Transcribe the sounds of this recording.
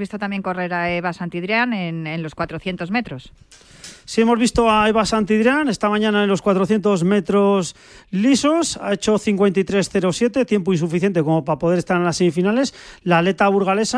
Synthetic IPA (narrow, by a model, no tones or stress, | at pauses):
βist̪o̞t̪amje̞ŋkore̞ɾaeβasant̪iðɾjanenenlo̞skwat̪ɾoθjent̪o̞zme̞t̪ɾos | sie̞mo̞zβist̪o̞aeβasant̪iðɾjane̞st̪amãɲãnaenlo̞skwat̪ɾoθje̞nt̪o̞zme̞t̪ɾo̞s | liso̞sa̰e̞t͡ʃo̞θiŋkwe̞nt̪ajt̪ɾe̞sθe̞ɾo̞sje̞t̪e̞t̪je̞mpoinsufiθje̞nt̪e̞komo̞papoðeest̪aɾenlase̞mifinale̞slaːle̞t̪aβuɾɣ̞ale̞sa